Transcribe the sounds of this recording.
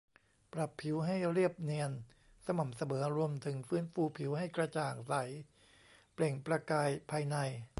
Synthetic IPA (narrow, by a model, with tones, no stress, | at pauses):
pɾa˨˩pʰːi˩˦wɦa˥˩jɾi˥˩əp̚ni˧ən | sa˧ma˨˩msa˧mɤː˩˦ɾu˧əmt̪ʰɯ˩˦ŋfɯː˦˥nfuː˧pʰi˩˦wha˥˩jkɾa˧t͡ɕaː˨˩k̚sa˩˦j | ple˨˩ŋpɾa˧kaː˧jpʰaː˧jna˧j